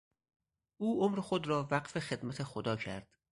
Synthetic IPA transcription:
ʔuːʔomɾexod̪ɾɒːvæɢfexe̞d̪mæt̪ʰexod̪ɒːcʰæ̰ɾd̪̥

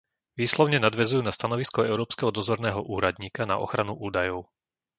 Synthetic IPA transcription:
ʋiːslɔʊɲɛnad̪ʋɛzujuːnast̪anɔʋiskɔɛʊɾɔːpskɛɦɔd̪ɔzɔɾnɛːɦɔʔuːɾad̪ɲiːkana̰ʔɔ̰xɾanuʔuːd̪ajɔʊ

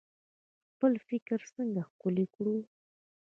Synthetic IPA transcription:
xpəlfɪkɾsəŋɡaxkʊlɪkɽu

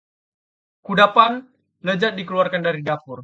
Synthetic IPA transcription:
kudapan | ləd͡ʒat̪̚dikəluarkandaɾidapʊr

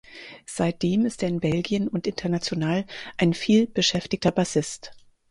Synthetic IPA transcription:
z̥aɪt̚d̥eːmɪstʔeːɐɪnbɛlɡijənʊntʔɪntʰɐnat͡sjonaːlʔaɪnfiːlb̥əʃɛftɪçtɐbasɪst

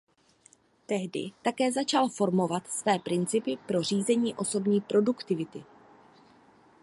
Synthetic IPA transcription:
t̪ɛɦdɪ̰t̪akɛːzat͡ʃalfo̞ɾmo̞vat̪svɛːpɾɪnt͡sɪpɪpɾo̞r̝iːzɛɲiːʔo̞so̞bɲiːpɾo̞dukt̪ɪvɪt̪ɪ

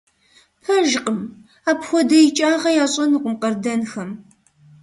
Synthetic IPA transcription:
pʰɐʒqəm | aːpxʷɔdɐjɪt͡ʃʼaːʁɐjaːɕʼɐnuqʷʊmqɐrdɐnxɐm

